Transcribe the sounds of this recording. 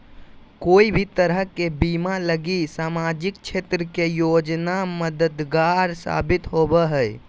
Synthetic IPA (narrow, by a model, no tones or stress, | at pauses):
koibʱit̪əɾəɦkebimaləɡisamad͡ʒikt͡ʃʰet̪ɾəkejod͡ʒnaməd̪əd̪ɡaɾsa̰bit̪ɦobɛɦəj